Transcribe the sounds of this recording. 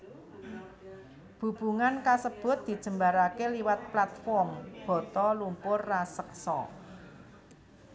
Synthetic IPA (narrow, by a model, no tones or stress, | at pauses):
b̥ṳb̥ṳŋankasəb̥ʊ̤t̪̚d̪̥i̤d̥ʒ̥ə̤mbaɾakeliwat̪̚plat̪̚fɔrmb̥ɔ̤t̪ɔlumpʊrːasək̚sɔ̰